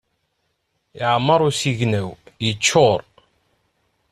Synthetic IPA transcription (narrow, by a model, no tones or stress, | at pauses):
ɪʕmːəɾˤʊsiʝnæwjət͡ʃːʊɾˤ